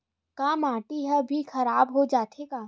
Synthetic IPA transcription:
kaːmaːʈiɦɛbʱixɐɾaːbɦod͡ʒaːt̪ekaː

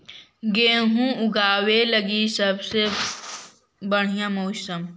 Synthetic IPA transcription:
ɡeːɦũʊɡaːweləɡisəbse | bəɽ̤ijãmoːsəm

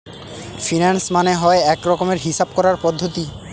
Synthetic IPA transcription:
finansmaneɦɔeɛkɾɔkomeɾɦiʃab̚kɔɾaɾpɔd̪ʱːot̪i

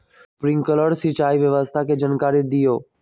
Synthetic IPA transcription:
pɾɪ̃ŋkələɾsit͡ʃaːiʋjəʋəst̪ʰaked͡ʒənkaːɾɪd̪ijoː

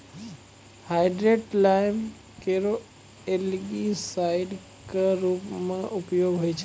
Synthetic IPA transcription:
haːɪɖɾeʈlaɪm | keɾo | elɡisaɪɖ | kaɾuːpmãʔʊpjoːɡɦoit͡ʃʰ

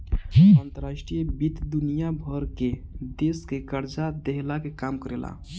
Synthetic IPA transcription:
ant̪əɾaʃʈɾijbit̪d̪unijabʱəɾked̪eskekəɾd͡ʒad̪eɦlakekamkəɾela̰

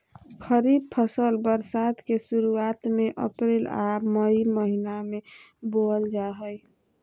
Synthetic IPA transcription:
kʰəɾib̚pʰəsəlbəɾsat̪kesuɾuat̪meʔə̰pɾelaməiməɦiname | bold͡ʒaɦəj

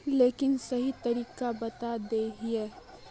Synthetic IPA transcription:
leːkɪnsɐɦit̪ɐɾiːkabɐt̪ad̪eɦieː

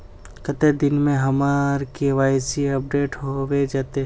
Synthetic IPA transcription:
kət̪ed̪ɪnmẽɦɐmaɾkeʋaːjsiɐp̚ɖeːʈɦoʋed͡ʒaːt̪e

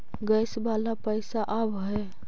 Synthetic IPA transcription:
ɡəjsbalapəɪsaʔabɦə

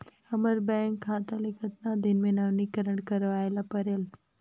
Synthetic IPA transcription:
əməɾbɛ̃ŋkʰːat̪əlikʰət̪nad̪inmenaʋnikəɾəɳkəɾʋajlapəɾel

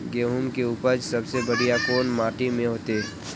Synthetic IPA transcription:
ɡeːɦumkeʊpəd͡ʒsɐbsebəɽijakoːnmaːʈimẽɦoːt̪eɛ

